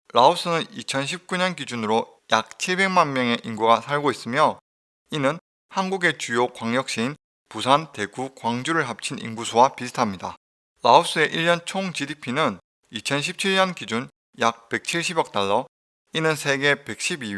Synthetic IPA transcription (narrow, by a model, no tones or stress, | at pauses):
ɾaop̚s͈ɯnɯnit͡ɕʰʌnɕʰip̚k͈uɲʌnkid͡ʑunɯɾo | jak̚t͡ɕʰiɭbe̞ŋmanmjʌŋe̞ʔinɡuɡasʰaɭɡois͈ɯmjʌ | inɯn | hanɡuɡe̞t͡ɕujokwaŋɲjʌk̚ɕ͈iin | pusʰante̞ɡukwaŋd͡ʑuɾɯɭɦap̚t͡ɕʰinḭnɡusʰowapisʰɯ̥tʰamɲida | ɾaop̚s͈ɯe̞ʔiʎːʌnt͡ɕʰoŋt͡ɕidipʰinɯn | it͡ɕʰʌnɕʰip̚t͡ɕʰiɭɲʌnkid͡ʑun | jak̚pe̞k̚t͡ɕʰiɭɕ̬ʰibjʌk̚t͈aɭːʌ | inɯnsʰeɡe̞pe̞k̚ɕ͈ʰibi